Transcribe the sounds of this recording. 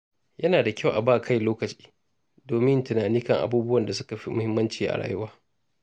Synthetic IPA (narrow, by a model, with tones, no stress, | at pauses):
jɐ˦naː˨da˨kʲa˦˨wʔa˨baː˦˨kʰa˦˨jloː˦kɐ˨t͡ʃi̥ː˦ | doː˨mɪ˦ntʊ˨naː˨niː˦kɐ˦˨ŋʔa̰˨buː˦bʊ˦wɐ˨nda˨sʊ˦ka˨ɸi˦mʊ˦hɪ˦mːɐ˦nt͡ʃiː˨ʔa̰˨ɽa̰ː˦˨jʊ˦waː˦